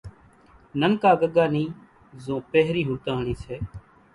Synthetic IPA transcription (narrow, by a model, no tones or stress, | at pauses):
nənkaːɡəɠaːniː | zõːpeɦɾiːɦʊɽt̪aːɳiːseː